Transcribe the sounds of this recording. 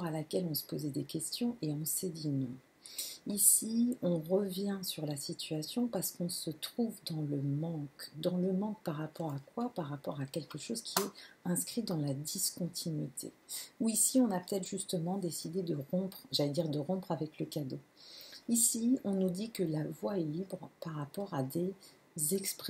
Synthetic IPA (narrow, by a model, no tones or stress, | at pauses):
ɔʁalakʲɛlɔ̃sə̥pozɛd̪ekʲɛst̪jɔ̃ʔeɔ̃sɛd̪inɔ̃ | isiɔ̃ʁəvjɛ̃syʁlasit̪ɥasjɔ̃paʁsə̥kɔ̃sət̪χuvd̪ɑ̃ləmɑ̃kd̪ɑ̃ləmɑ̃k̚paʁapɔʁakwapaʁapɔʁakʲɛlkəʃozkʲʰiɛɛ̃skχid̪ɑ̃lad̪iskɔ̃t̪ʰinɥit̪ʰḛuisiɔ̃napə̥t̪ɛt̪χʒyst̪əmɑ̃d̪esid̪ed̪əʁɔ̃pχʒalɛd̪iʁd̪əʁɔ̃pχavɛkləkad̪oisiɔ̃nud̪ikəlavwaɛlibʁpaʁapɔʁad̪e | zɛkspχ